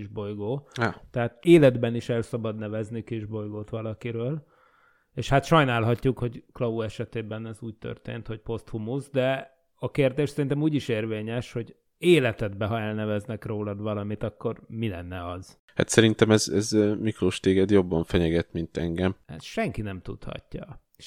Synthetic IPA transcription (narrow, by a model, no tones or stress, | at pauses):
iʒbojɡoːat̪ɛɦaːt̪eːlɛd̪bɛniʃɛlsɒbɒd̪nɛvɛznikiʒbo̞jɡoːt̪ʋɒlɒkiɾøːl | eːʃhat̪ʃɒjnaːlɦɒcːukho̞ɟklɒuɛʃɛt̪eːbɛnɛzuːc̚t̪ø̰rt̪ḛːnt̪ho̞c̚po̞st̪humuzd̪ɛ | ɒkeːrd̪eːʃsɛɾint̪ɛmuːɟiʃeːrveːɲɛʃho̞ɟ | eːlɛt̪ɛd̪bɛɦɒɛlnɛvɛznɛkroːlɒd̪ʋɒlɒmit̪ɒkːo̞rmilɛ̰nːɛɒz̥ | ha̰t̪sɛɾint̪ɛmɛzɛzmikroːʃt̪eːɡɛd̪jo̞bːɒɱfɛɲɛɡɛt̪mint̪ɛ̰ŋɡɛmɛ̰sʃɛŋkinɛmt̪ṵt̪hɒ̰cːɒ̰